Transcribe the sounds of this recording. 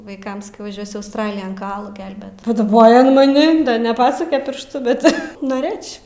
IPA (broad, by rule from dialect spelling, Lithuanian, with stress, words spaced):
ʋɐɪˈkɐm sɐˈkʲɛʊ ʋɐˈʒʲuɔsʲʊ ɐʊsˈtrɑːlʲɪjɛn kɐˈɑːlˠuː ˈɡʲɛlʲbʲeːt pɐˈdɑːboːjoː ɐn mɐˈnʲɪ nʲɛˈpɑːsʊkʲɛ ˈpʲɪrʃtʊ ˈbʲɛt noːˈrɘt͡ʃʲ